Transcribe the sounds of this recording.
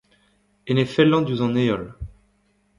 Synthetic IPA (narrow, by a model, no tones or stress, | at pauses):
enefɛlːɑ̃d̪uzɑ̃neɔl